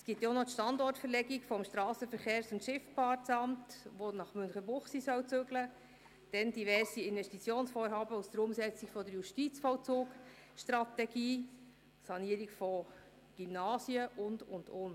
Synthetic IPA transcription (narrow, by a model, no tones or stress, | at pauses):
sɡ̥ɪt̪jonotʃtɑndɔrtfəɾlɛɡiɡfɔmʃtɾɑːsəfəɾχeːɾsʊntʃɪfpʰɑrtt͡sɑmtʋonɑχmʏnχəbʊχsisœwt͡søɡlə | d̥ɛnd̥iʋɛrsiɪnvɛʃtit͡sjoːnsfoːɾɦɑːbəusd̥əɾʊmsɛt͡siɡfɔdəɾjuʃtit͡sfɔʊt͡suːk | ʃtrɑtɛɡiː | sɑniːəɾiɡfɔ | ɡ̥ymnɑːsiəʔʊndʊndʊn